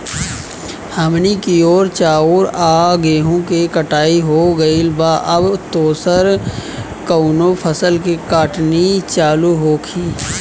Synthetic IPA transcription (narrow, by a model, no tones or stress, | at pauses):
həmnikioːɾt͡ʃaːoːɾaːɡeːɦõkekəʈaːiɦoɡəilbaʔɐbt̪oːsəɾ | kəʊnopʰəsəlkikaːʈnit͡ʃaːluɦoːkʰiː